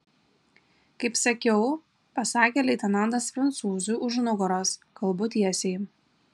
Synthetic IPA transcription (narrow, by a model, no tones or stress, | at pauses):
kɐɪpsɐkʲɛʊ | pɐsɑːkʲeːlʲɛɪt̪ʲɛnɑˑnd̪ɐsfɾɐnt̪suːzʊjʔʊʒnʊɡɔɾoːskɐlˠbʊt̪ʲiɛsʲɛɪ